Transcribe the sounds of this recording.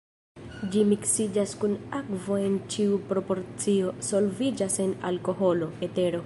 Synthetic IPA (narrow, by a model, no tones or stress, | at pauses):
d͡ʒimiksid͡ʒaskunakvo̞e̞nt͡ʃiupɾo̞po̞ɾt͡sio̞so̞lvid͡ʒase̞na̰lko̞ɦo̞lo̞ete̞ɾo̞